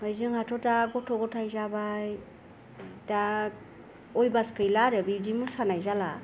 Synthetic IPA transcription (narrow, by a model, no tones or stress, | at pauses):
mɯjzɯŋhatʰɔtaɡɔtʰɔɡɔtʰajzabaj | da | ɔjbaskɯjlaɾɯbidimusanajzala